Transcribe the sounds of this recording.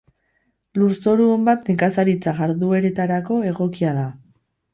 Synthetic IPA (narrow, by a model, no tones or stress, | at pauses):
luɾso̞ɾuembat̪nekasaɾit͡saɣaɾðue̞ɾe̞t̪aɾako̞e̞ɣo̞kiaða